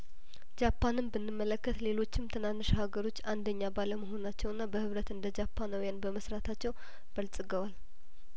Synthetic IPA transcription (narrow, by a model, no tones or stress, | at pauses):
d͡ʒapʰːanɨmbɨnːɨmːələkːət̪le̞lo̞t͡ʃːɪmt̪ʰɨnanːɨʃhaɡəɾo̞t͡ʃːand̪əɲːabaləməɦo̞nat͡ʃːɛwɨnːabəhɨβɾət̪ɨnd̪əd͡ʒapʰːanawjanbəməsɾat̪ʰat͡ʃːɛw | b̥əlt͡sʼɨɡəwal